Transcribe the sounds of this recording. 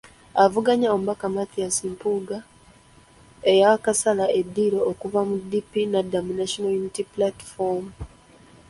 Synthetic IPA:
avuɡaɲaomuβakamatijasimpuɡa | ejakasalaʔe̞dːiːɾo̞ːkuvamudːipinadaminaʃonojunitiplati̥fomu

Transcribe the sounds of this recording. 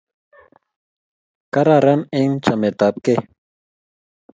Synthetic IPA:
kaɾaɾaneŋt͡ʃamet̪ap̚ke

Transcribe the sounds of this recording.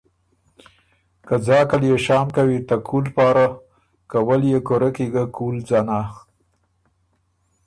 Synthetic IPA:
kəd͡zɑkaljeʃɑːmkawit̪akʰulpɑːɾa | kawəljekoɾakiɡakulzɑna

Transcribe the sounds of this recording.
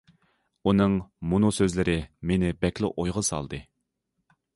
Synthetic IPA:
unɨŋmunusøzlɪɾɪmenɪbɛkʲlˠɪ̰ʔojʁəsɑ̰lˠd̪ɨ

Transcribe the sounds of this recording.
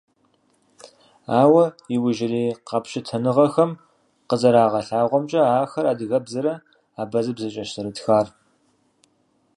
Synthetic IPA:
aːwɐjɪwʊʒɪɾiːqɑpʃɪtʰɐnɨʁɐxɐm | qəzɐɾaːʁɐɬaːʁʷɔmt͡ʃʼɐaːxɐɾaːdɨɣɐbzɐɾɐ | aːbɐzɨbzɐt͡ʃʼɐʃsɨɾɨtxaːr

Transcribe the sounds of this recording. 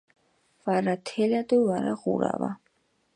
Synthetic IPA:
vaɾat̪ʰɛlad̪ɔwaɾa̰ʁuɾa̰va

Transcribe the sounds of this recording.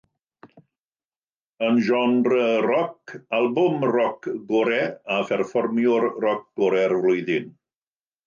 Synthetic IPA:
ənʒɔnrərɔkʰalˠbʊmrɔkɡɔɾɛafɛrfɔrmjʊrrɔk̚ɡ̥ʊɾɛrvlʊjðɪn

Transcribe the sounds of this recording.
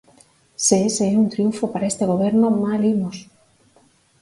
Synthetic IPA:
seeseeunt̪ɾijuɱfopaɾaest̪eɣ̞oβeɾnomalimos

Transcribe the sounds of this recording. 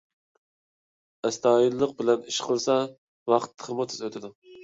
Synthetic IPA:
ɛst̪ʰɑːjilːəq̚bɪlɛniʃqʰəlˠsɑ | wɑχt̪ʰːə̥χʰəmʊt̪ʰy̥zøt̪ʰɪd̪u

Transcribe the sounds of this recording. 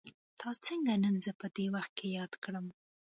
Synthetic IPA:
t̪ʰɑt͡səŋɡanənzəpəd̪ewaxt̪̚kʰejɑd̪kɽəm

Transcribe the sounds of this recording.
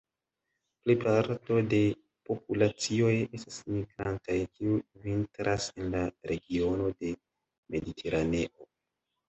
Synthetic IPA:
plipaɾto̞de̞ | po̞p̚ulat͡sio̞je̞stasmiɡɾantajkiuvintɾase̞nlaɾe̞ɡio̞no̞de̞ | me̞ditʰe̞ɾane̞ʔo̞

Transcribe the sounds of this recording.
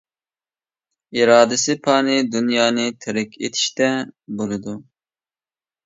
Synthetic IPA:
iɾɑːd̪ɪsɪpʰɑːnɨd̪unjɑːnɨt̪ʰɪɾɪkʲʰḛt̪ʰi̥ʃt̪ɛbolˠɨd̪u

